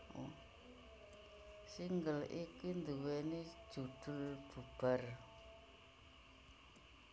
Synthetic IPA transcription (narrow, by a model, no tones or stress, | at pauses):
siŋɡəlikind̪əwɛni̥d͡ʒ̥uɖ̥ulb̥ub̥ar